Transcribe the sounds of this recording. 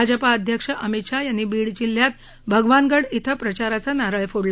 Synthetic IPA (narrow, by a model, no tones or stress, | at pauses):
ad͡ʑəpaəd̪ʱjəkʂəʔəmit̪ʂajanːibiːɽd͡ʑil̤ːjat̪ | bʱəɡʋanɡəɽit̪ʰəpɾət͡ɕaɾat͡sanaɾaɭfoɽl